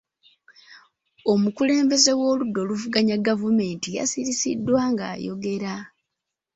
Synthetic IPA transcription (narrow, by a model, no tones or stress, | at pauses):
o̞mukule̞ːmbe̞ze̞wo̞ːludːo̞luvuɡaɲaɡavume̞ːntija̰siɾisḭdːwaːŋɡa̰ːjo̞̰ɡe̞ɾa